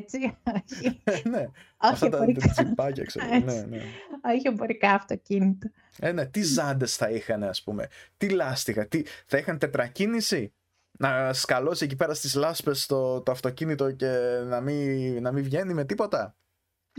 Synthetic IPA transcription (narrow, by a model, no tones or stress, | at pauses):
t͡sioçineoɐft̪t̪ɐt͡sipɐcɐ̰ksenenḛoçieboɾikɐɐft̪ocinit̪o | ene̞t̪izɐnd̪e̞sθɐixɐne̞ɐspume̞̰t̪ilɐst̪ixɐt̪iθɐixɐnt̪e̞t̪ɾɐcinisi | nɐskɐlo̞sie̞cipe̞ɾɐst̪izlɐspe̞st̪ot̪oɐft̪o̞cinit̪o̞ce̞nɐminɐmivʝe̞nime̞t̪ipo̞t̪ɐ